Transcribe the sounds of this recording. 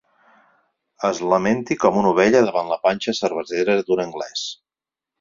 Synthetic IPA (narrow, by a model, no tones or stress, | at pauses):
əzləment̪ikɔmunuβ̞ɛʎəðəβanləpanʲt͡ʃəsəɾβ̞əzeɾəd̪unəŋɡlɛs